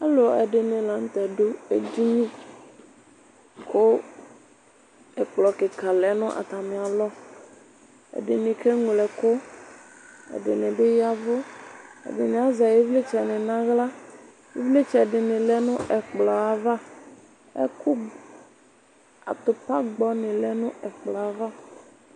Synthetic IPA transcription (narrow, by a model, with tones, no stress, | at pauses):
a˦lʊ˨ɔ˨e˨ɖɪ˨nɪ̃˨la˨ŋ̩˦t̪ɛ˨ɖo˦e˨d̪i˦mĩ˦ | kʰo˦ | ɛ˨k͡plɔ˨kɪ˨ka˨lɛ˨nʊ̃˦ʔa̰˨t̪a˨mẽ˨a˨lɔ˦ | ḛ˨ɖɪ˨nɪ̃˨ke˦ŋ˨lɛ˨kʊ˦ | ḛ˨ɖɪ˨nɪ̃˨bɪ˦ja˦vʊ˦ḛ˨ɖɪ˨nɪ̃˨a˨za˨je˦vle˦t͡ʃɛ˨nɪ̃˨nã˦ɣla˦ | je˦vle˦t͡ʃɛ˨ɖɪ˨nɪ̃˨lɛ˦nʊ̃˦ʔɛ˨k͡plɔ˨a˨va˦ | ḛ˦ku˦ | a̰˨t̪ʊ˨pa˦ɡ͡bɔ˦nɪ̃˨lɛ˦nʊ̃˦ɛ˨k͡plɔ˨a˨va˦